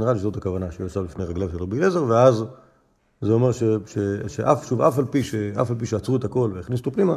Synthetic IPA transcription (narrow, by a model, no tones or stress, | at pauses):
niʁaliʃezo̞takavanaʃeujat͡salifneʁeɡlavʃelobiʁezeʁveaz | zeo̞me̞ʁʃeʃeʃeʔafʃuvafalpiʃea̰falp̬iʃeat͡sʁuet̪ako̞lveiχnis̬upnima